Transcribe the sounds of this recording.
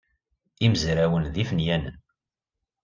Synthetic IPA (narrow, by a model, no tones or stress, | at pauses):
iməzɾæwənðifnjænə̰n